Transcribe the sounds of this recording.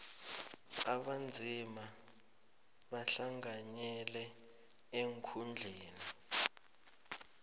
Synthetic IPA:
aɓand͡zʱima | ɓaɬaŋaɲɛlɛ | eŋkʰund͡ɮʱeːni

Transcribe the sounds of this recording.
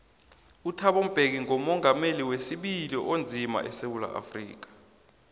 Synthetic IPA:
utʰaɓom̩b̥ʱek̬iŋɔmɔŋameliwesiɓiliʔond͡zʱima̰ʔɛsewula̰ʔa̰frḭːk̬ḁ

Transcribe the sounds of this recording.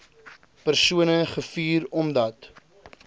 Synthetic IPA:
pərsuənəχəfiːɾɔmdɐt

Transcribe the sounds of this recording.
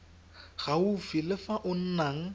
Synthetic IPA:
ɣ̥aufilɪfaʔʊn̩naŋ̩

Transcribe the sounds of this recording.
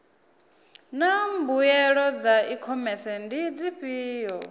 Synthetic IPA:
nambujɛɺɔd͡zaikʰɔmɛsɛndid͡ziɸiːjɔ

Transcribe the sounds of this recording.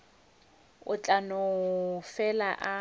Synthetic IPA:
ʊt͡ɬʼanʊfɛlaʔa

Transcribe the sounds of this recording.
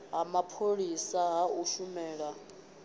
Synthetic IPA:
ɦamapʰoɺisaɦauʃumɛːɺa

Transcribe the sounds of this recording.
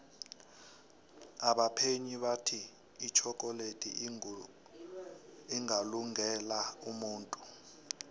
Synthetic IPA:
aɓapʰeɲiɓatʰiː | t͡ʃʰɔkʼɔletʼḭ | iŋʱaluŋɛlaumuːntʼu

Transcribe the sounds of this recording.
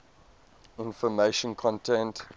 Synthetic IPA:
ɪ̃nfɔmeʃə̃nkʰɔ̃ntʰɛ̃nt

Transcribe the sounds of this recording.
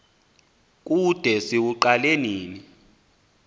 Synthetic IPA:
k̬ʼud̥ʱɛsiwuǃaleniːni

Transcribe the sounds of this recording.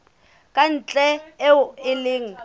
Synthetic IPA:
kʼan̩t͡ɬʼɛ | ɪlɪːŋ̩

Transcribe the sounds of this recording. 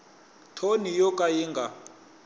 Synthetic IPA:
tʰonijɔkʼajiŋɡʱa

